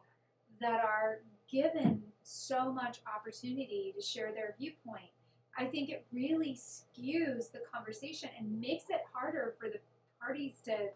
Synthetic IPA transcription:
ðɨɾə˞ɡɪvɨ̃nsoʊmʌt͡ʃɑpə˞tʰʉnɨɾiɾɨʃɛɹðə˞vjʉpʰɔ̃ɪ̃nt̚ | ʔaɪθɪ̃ŋkɨt̚ɹɪlˠiskjʉzðɨkʰɑ̃ɱvə˞seɪʃɨ̃nɨ̃nmeɪksɨt̚hɑɹɾə˞fə˞ðɨ | p̚ʰɑɹɾiz̥tʰɨ

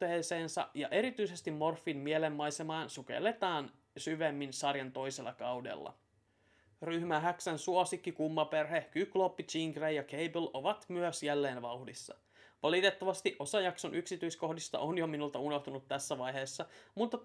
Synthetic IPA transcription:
eːse̞ːnsɑ̰ʔjɑʔe̞ɾit̪yise̞st̪imːo̞rfːimmielemːɑjsemɑːnsukḛlːe̞t̪ɑːn | syʋemːinsɑrjɑnt̪o̞jse̞lːɑkɑwde̞̰lːɑ̰ | ryhmæɦæksænsuosikːikumːɑperhekykːlopːit͡ʃiŋɡrejɑkejblʔo̞ʋɑt̪myøsjælːe̞ːnʋɑuhdisːɑ̰ | ʋɑlit̪e̞t̪ːɑʋɑst̪iʔo̞sɑjɑkso̞nʔyksit̪yisko̞hdist̪ɑ̰ʔonjominult̪ɑuno̞ht̪unut̪ːæsːæʋɑjɦe̞ːsːɑmut̪ːɑ

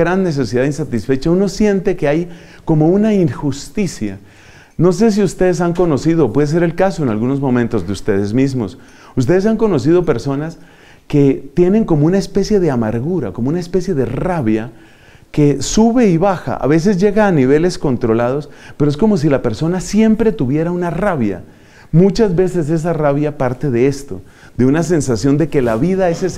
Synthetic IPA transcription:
ɾanːe̞s̬e̞siðaðinsat̪isfet͡ʃauno̞sje̞nt̪e̞ke̞aj | ko̞mo̞unaiŋxust̪isja̰ | no̞s̬e̞s̬iust̪e̞ðe̞s̬aŋko̞no̞sið̞opwe̞ðes̬e̞ɾe̞lkaso̞enalɣuno̞zmo̞mẽ̞nt̪o̞zðeust̪e̞ðe̞zmizmo̞̰s | ust̪e̞ðe̞s̬aŋko̞no̞s̬ið̞o̞pe̞ɾso̞nas | ke̞t̪je̞ne̞ŋko̞mo̞unaespe̞sje̞ðe̞amaɾɣuɾa̰komounaespe̞sje̞ðe̞raβja | ke̞suβe̞iβaxa̰ʔa̰βe̞s̬e̞zʝe̞ɣaːniβe̞le̞sko̞nt̪ɾo̞lað̞o̞speɾoesko̞mo̞s̬ilape̞ɾso̞nasje̞mpɾe̞t̪uβje̞ɾaunaraβja̰ | mut͡ʃazβe̞se̞s̬e̞s̬araβjapaɾt̪e̞ðe̞est̪o̞̰ | d̪e̞unas̬e̞nsasjo̞nd̪e̞ke̞laβiðaeses

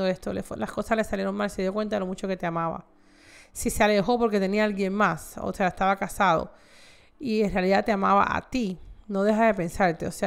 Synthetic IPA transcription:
oe̞st̪oleflasko̞sasle̞salje̞ɾoŋmalse̞ðjokwe̞nt̪aðelo̞mut͡ʃoke̞t̪e̞amaβa̰ | siseale̞xo̞po̞ɾke̞t̪e̞niaalɣje̞ŋmaso̰seaest̪aβakasað̞o̰ | ienrealiðat̪eamaβa̰ʔa̰t̪ino̞ðe̞xaðe̞pe̞nsaɾt̪e̞ose

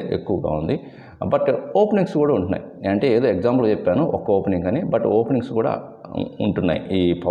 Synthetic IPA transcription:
ḛkːuʋɐɡa̰ːund̪i | bɐʈoːpniŋskuːɽaːuɳʈunːa̰ːjieːɐɳʈe̞ːeːd̪oːekd͡ʒaːmplut͡ʃepːaːnuʔɔkːɐoːpeniŋɡɐneːbɐʈoːpeniŋskuːɽa̰ː | uɳʈunːa̰ːjḭiːpʰɐ

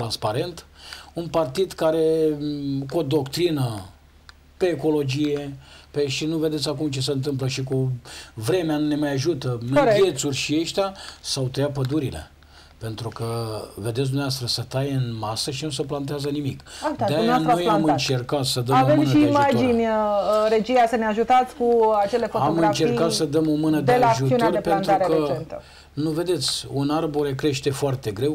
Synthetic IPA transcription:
t̪ɾanspaɾe̞nt̪unpart̪id̪kaɾe̞ | kuod̪o̞kt̪ɾinə | pe̞ːko̞lo̞d͡ʒije̞peʃinuve̞d̪esʲakumt͡ʃe̞seɨnt̪ɨmp̬ləʃikuvɾe̞meanne̞majaʒut̪əvje̞t̪surʲʃieʃt̪easawt̪ejapəd̪uɾile̞̰ | pe̞nt̪ɾukəve̞d̪ets̬d̪unevast̪ɾəsət̪ajɨnmasəʃinus̬əplant̪̬eazənimikad̪eneanɾaojamɨnt͡ʃe̞rkat̪səd̪əmavemmnʃiːmad͡ʒinʲəɾe̞d͡ʒijasəneaʒut̪at̪sʲkuat͡ʃe̞le̞foaomɡɨnat͡ʃe̞rkat̪səd̪əmo̞mɨnəd̪eelʒuiuneoarepeannuaɾekeəent̪ə | nuve̞d̪e̞t̪sʲunarboɾekɾe̞ʃt̪e̞foart̪e̞ɡɾe̞w

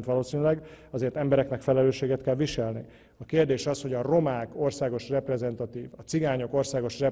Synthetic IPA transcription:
nt̪ʋɒloːsiːnilɛɡɒzeːrt̪ɛmbɛɾɛknɛkfɛlɛløːʃːeːɡɛt̪kɛlʋiʃɛlnḭ | ɒkeːrd̪eːʃɒsho̞ɟɒro̞maːko̞rsaːɡo̞ʃrɛprɛzɛnt̪ɒt̪iːvɒt̪siɡaːɲo̞ko̞rsaːɡo̞ʃrɛ

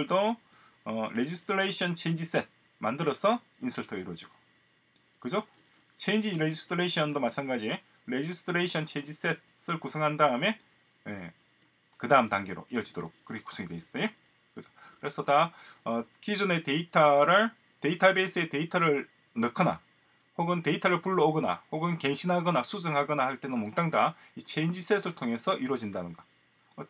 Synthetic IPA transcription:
ɭdo | ʌɾe̞d͡ʑisʰtʰɾeiɕʰʌnt͡ɕʰeiɲd͡ʑis͈et̚ | mandɯɾʌsʰʌ | insʰɯɭtʰʌiɾwʌd͡ʑiɡ̥o̥ | kɯd͡ʑo | t͡ɕʰend͡ʑiɾed͡ʑisʰtʰɯɾeɕʰʌndomat͡ɕʰanɡad͡ʑi | ɾe̞d͡ʑisʰɯ̥tʰɯɾeɕʰʌnt͡ɕʰeind͡ʑis͈e̞t̚s͈ɯɭkusʰʌŋɦandaɯme̞ | jḛ | kɯdaɯmtaŋɡeɾo̰ʔiʌd͡ʑidoɾok̚k͈ɯɾʌkʰeku̥sʰʌŋideis͈t͈ejo | kɯd͡ʑʌkɯɾe̞sʰʌtaʌkid͡ʑune̞te̞itʰaɾɯɭ | te̞itʰabes͈ɯe̞te̞itʰaɾɯɭ | nɯkʰʌna̰ | hoɡɯnte̞itʰaɾɯɭpuɭːoːɡʌna̰hoɡɯnke̞ŋɕʰinɦaɡʌnasʰud͡ʑɯŋɦaɡʌnahaɭt͈enɯnmoŋt͈aŋda | it͡ɕʰend͡ʑis͈ʰes͈ʰɯɭtʰoŋe̞sʰʌʔiɾwʌd͡ʑindanɯnɡʌ | ʌ

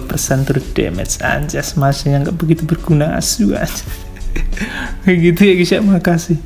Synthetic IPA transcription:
pərsant̪əɾud̥ɛ̰mɛ̰sa̰ɲd͡ʒasəmat͡ʃajaŋɡaʔbəɡit̪ubərɡ̥unaa̰sua̰d͡ʒḁ | aɡit̪ujaɡisaʔmakasɪh

